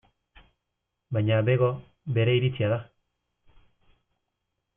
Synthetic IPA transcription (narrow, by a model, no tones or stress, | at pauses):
bajɲabeɣo | beɾeiɾit͡siaða